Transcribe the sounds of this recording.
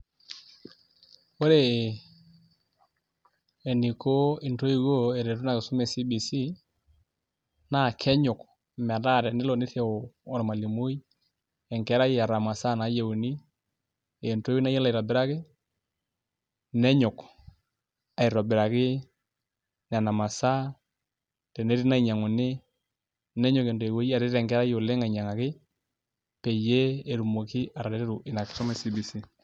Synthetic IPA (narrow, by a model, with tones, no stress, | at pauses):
o˦ɾe˨ | e˨ni˨ko˦i˨nto˦ji˨ɣo˦e˨ɾe˨ɾu˦na˨kɪ˨sʊ˦mɛ˨si˦bi˨si˦ | na˦˨kʰɛ˦ɲʊ˨k | mɛ˨da˦˨ɾɛ˨nɪ˦lɔ˨nɪ˦θe˦o˨ɔ˨ɾma˨li˨mu˦i˦ | ɛ˨ŋkɛ˨˦ɾa˦ja˨ɾa˨ma˨sa˦˨na˨˦je˨u˨ni˦ | e˨nto˦we˦na˦ja˦la˦˨i˨ɾa˨bɪ˦ɾa˦kɪ˦ | nɛ˦ɲɔ˨k | a˨i˨ɾa˨bɪ˨ɾa˨kɪ˦ | n˨a˨na˨ma˨sa˦ | tɛ˨ne˦ɾi˦na˦i˨ɲa˨ŋo˨ne˦ | nɛ˦ɲɔ˨ke˨nto˨ɛ˨wo˦i˦a˨ɾe˦ɾɛ˨ŋkɛ˦ɾa˦jo˨le˦ŋa˨i˨ɲa˨ŋa˨kɪ˦ | pɛ˨je˦e˨ɾu˨mo˨ki˦a˨ɾa˨ɾe˦ɾe˦ɾu˨ʔɪ˨na˨kt͡ʃɔ˦ma˦si˦bi˨si˦